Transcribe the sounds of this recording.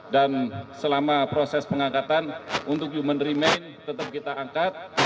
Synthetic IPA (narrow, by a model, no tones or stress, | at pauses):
dansəlamapɾosɛspəŋaŋkat̪anunt̪ʊk̚d͡ʒumənrimejnt̪ət̪əp̚kit̪aaŋkat̪̚